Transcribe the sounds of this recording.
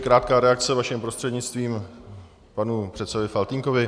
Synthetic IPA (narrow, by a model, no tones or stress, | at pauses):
kɾaːt̪̚kaːɾɛakt͡sɛvaʃɪmpɾo̞st̪r̥ɛdɲɪt͡st̪viːm | panupr̥ɛt̪sɛvɪfalt̪iŋko̞vɪ